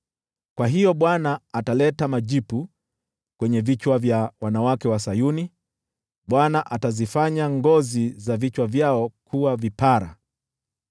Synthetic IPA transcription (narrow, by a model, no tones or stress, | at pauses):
kwaɦijɔɓwanaːtalɛtamaʄipu | kwɛɲɛvit͡ʃwavjawanawakɛwasajuni | ɓwanaʔatazifaɲaŋɡɔzizavit͡ʃwavjaɔkʰuwavipaɾa̰